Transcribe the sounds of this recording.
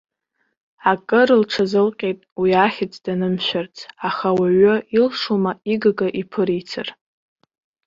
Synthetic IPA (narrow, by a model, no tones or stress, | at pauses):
akʼɨɾɨlʈ͡ʂʰazɨlqʲʼejtʼwiaχʲɪt͡sʼʰd̥anɨmʃʷᶣart͡sʰaχawaɥʊilʂumaiɡaɡaʔipʰɨɾit͡sʰa̰r